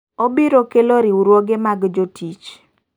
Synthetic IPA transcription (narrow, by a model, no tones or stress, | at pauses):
obiɾokeloɾiuɾwoɡemaɡd͡ʒotʰit͡ʃ